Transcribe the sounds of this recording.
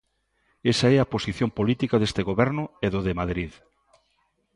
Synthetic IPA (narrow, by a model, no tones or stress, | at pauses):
esaɛɐposiθjompolit̪ikaðest̪eɣoβɛɾnʊeðoðemaðɾið